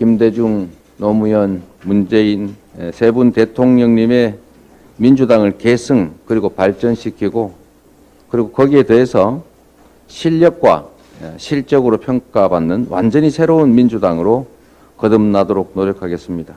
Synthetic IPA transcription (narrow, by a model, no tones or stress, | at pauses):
kimde̞d͡ʑuŋ | nomujʌn | mund͡ʑe̞in | sʰe̞bunte̞tʰoŋɲʌŋɲime̞ | mind͡ʑudaŋɯɭkesʰɯŋkɯɾiɡopaɭt͡ɕ͈ʌnɕʰikʰiɡo | kɯɾiɡokʌɡie̞te̞ɦesʰʌ | ɕʰiʎːʌk̚k͈wa̰ | ɕʰiɭt͡ɕ͈ʌɡɯɾopʰjʌŋk͈abanːɯnwa̰nd͡ʑʌɲisʰeɾounmind͡ʑudaŋɯɾo | kʌdɯmnadoɾok̚noɾjʌkʰaɡe̞s͈ɯmɲida